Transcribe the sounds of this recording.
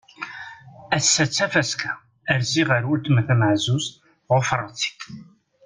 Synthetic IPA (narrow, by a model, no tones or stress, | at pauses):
æsːæt͡sːæfæskʰæ | æɾziʁəɾʊɾt̪mθæməʕzuz | ʁofɾˤɑt͡si̥k